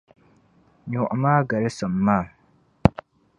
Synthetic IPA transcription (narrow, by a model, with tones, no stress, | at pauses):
ɲʊ˨ʔmaː˦ɡa˨lɪ˦sɔ˨mː˨aː˦˨